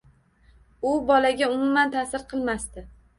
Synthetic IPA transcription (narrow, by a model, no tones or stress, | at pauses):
ʊbɒlaɡʲaʊmʊmant̪ʰasɪɾqʰɨlˠmast̪ɪ